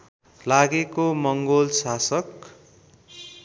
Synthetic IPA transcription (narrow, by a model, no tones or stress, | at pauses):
laɡekomʌŋɡolsasʌk̚